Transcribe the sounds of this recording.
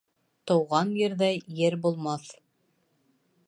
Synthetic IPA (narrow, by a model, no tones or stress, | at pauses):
t̪ɤ̆wʁɑnjɘ̆ɾðæjɘɾbulˠmɑθ